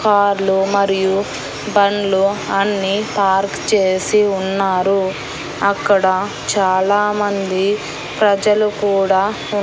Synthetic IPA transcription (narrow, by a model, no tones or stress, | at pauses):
kaːɾlumɐɾiju | bɐɳluɐnːipaːɾkt͡ʃe̞ːsiunːaːɾu | ɐkːɐɽɐ | t͡ʃaːlaːmɐnd̪i | pɾɐd͡ʒɐlukuːɽaː